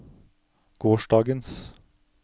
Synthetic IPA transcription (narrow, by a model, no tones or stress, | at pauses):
ɡ̥oːʃɖɑːɡəns